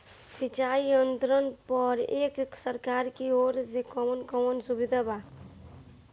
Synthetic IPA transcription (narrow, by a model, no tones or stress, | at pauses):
sit͡ʃaiənt̪ɾənpəɾeːkksəɾkaɾkioɾd͡ʒekɔnkɔwənsubid̪ʱaba